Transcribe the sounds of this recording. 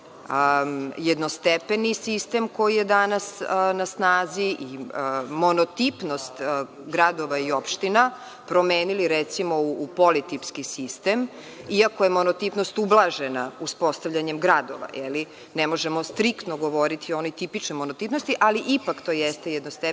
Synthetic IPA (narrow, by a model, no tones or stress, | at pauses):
jed̪no̞st̪epenisist̪e̞mko̞jijed̪anasnasnaːziʔimonot̪ipnost̪ | ɡɾad̪oʋaio̞pʃt̪ina | pɾo̞meːniliɾɛt̪simo̞uːpo̞lit̪ipskisist̪em | iakojemonot̪ipnost̪ublˠaʒenauspo̞st̪aʋʎaɲe̞mɡɾad̪o̞̰ʋa̰jɛ̰li | nemo̞ʒemo̞st̪ɾikt̪noɡo̞ʋo̞ɾit̪iono̞jt̪ipit͡ʃnojmonot̪ipnost̪iʔaliʔipakt̪o̞ːjɛst̪ejed̪nost̪e